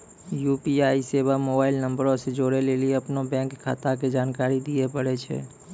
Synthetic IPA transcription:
juːpiaːiseːbamoːbaːɪlnəmbəɾõsed͡ʒoːɽelelieɐpnobɛ̃ːŋkːʰa̰ːt̪ak̬ed͡ʒaːnkaːɾid̪iepəɽet͡ʃʰɛ̰ː

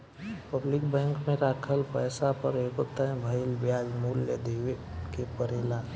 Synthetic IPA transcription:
pəblɪkbɛ̃ːŋkmẽɾaːkʰəlpɛːsapəɾeːkot̪əɛ̃bʱəɪlbjaːd͡ʒmuːljə̰d̪eːwekepəɾeːlaːn

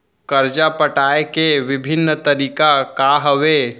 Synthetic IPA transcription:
kəɾd͡ʒapəʈaːekeʋɪbʱɪnːt̪əɾiːkakaɦəʋe

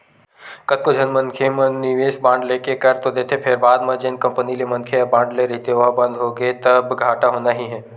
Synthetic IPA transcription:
kɐt̪̚kod͡ʒʱɐnmɐ̃nkʰemɐnɪʋeːsbãːɳɖleːkekɐɾt̪od̪eːt̪ʰepʰɪɾbaːd̪mɐ̃d͡ʒɪnkɐ̃mpənilemɐ̃nkʰeɐbãːɳɖleɾɛɦit̪eʋbɐ̃nd̪ɦoːɡet̪ɐbɡʱaːʈaɦoːnaɦiɦɛː

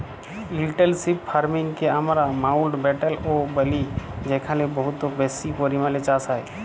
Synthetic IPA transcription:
ɪlʈəlsippʰaɾmɪ̃ŋɡkeəmɾamaːʊlɖbɛʈəloːbəlid͡ʒɛkʰalebəɦʊt̪ːobɛːsipoɾimalet͡ʃasae

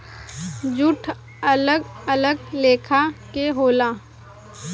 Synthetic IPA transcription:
d͡ʒʊʈʰ | ɐləɡələɡleːkʰakeɦoːlaː

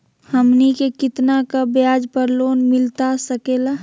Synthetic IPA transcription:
həmnikekɪt̪nakabjaːd͡ʒpəɾloːnmɪlt̪asəkeːla

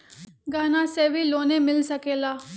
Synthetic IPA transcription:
ɡaːnaseːʋʱiloːnemɪlsɐkelaː

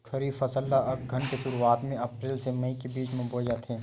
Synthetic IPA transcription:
kʰɐɾiːfɐsəlːaɡʱɐɳkeʃʊɾuaːt̪mẽɐpɾeːlsemɐĩkebiːt͡ʃmẽboːd͡ʒat̪ʰɦɛ̃ː

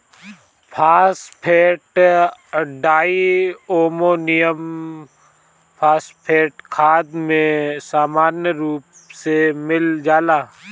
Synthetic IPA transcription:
pʰaːspʰeːʈ | ɖaːioːmoːnijəm | pʰaːspʰeːʈkʰaːd̪mẽsaːmaːnjəɾuːp | semɪld͡ʒaːlaː

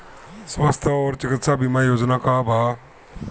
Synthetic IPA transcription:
sʋast̪ʰaɔːɾt͡ʃɪkɪt̪sabimajoːd͡ʒnakabʱaː

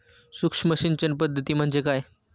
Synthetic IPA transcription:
sukʂməɕiːnt͡ɕənpəd̪ʱːət̪iːm̤əɳd͡zekaj

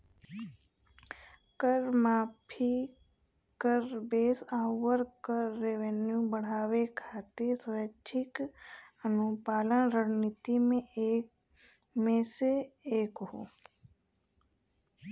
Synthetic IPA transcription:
kəɾmaːpʰi | kəɾbeːsaːwəɾkəɾːeʋenjubəɽ̤aːwekʰaːt̪esɾət͡ʃʰɪkənupaːlənɾəɽnit̪imẽeː | mẽseeːkɦoː

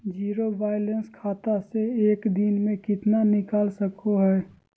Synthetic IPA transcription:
d͡ʒiːɾobaːɪlənskʰaːt̪aseeːkd̪inmẽkɪt̪nanɪkaːlsəkoɦɛː

